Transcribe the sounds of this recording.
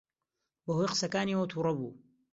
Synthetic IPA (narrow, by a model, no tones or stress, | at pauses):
bɐɦojqsɐkaːniːwɐt̪ʰuɾˤɑbṵː